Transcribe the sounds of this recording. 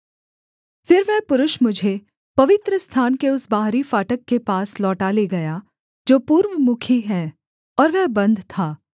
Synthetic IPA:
fɪɾʋɛpʊɾʊʃmʊd͡ʒʱe | pɐʋɪt̪ɾəst̪ʰaːnkeʊsbaːɦɾifaːʈəkːepaːslɔːʈaːleɡɐja | d͡ʒoːpuːɾʋəmʊkʰiɦɛː | ɔːɾʋɛɦbɐ̃nd̪ʱt̪ʰaː

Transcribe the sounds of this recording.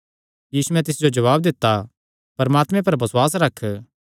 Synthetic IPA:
jiːsuɛ̃t̪ɪsd͡ʒod͡ʒɐʋaːb̚d̪ɪt̪ːa | pɐɾmaːt̪mɛ̃pɐɾbɐswaːs̬ɾɐkʰ

